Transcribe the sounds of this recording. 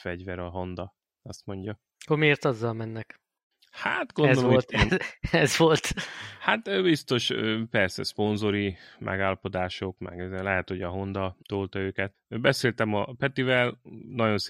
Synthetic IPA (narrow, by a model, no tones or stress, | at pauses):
fɛɟvɛɾɒɦo̞nd̪ɒ | ɒst̪mo̞ɲɟɒ | omieːrt̪ɒzːɒlmɛnːɛk | hat̪ɡod̪oolt̪ɛzvolt̪hat̪øbist̪o̞ʃøːpɛrsɛ̰spo̞nzo̞ɾimʔɛ̰ɡaːlːɒpo̞d̪aːʃo̞kmɛ̰ɡlɛɦɛt̪ho̞ɟɒɦo̞nd̪ɒt̪oːlt̪ɒøːkɛt̪̚bɛseːlt̪ɛmɒpɛt̪ivɛlnɒɟo̞ns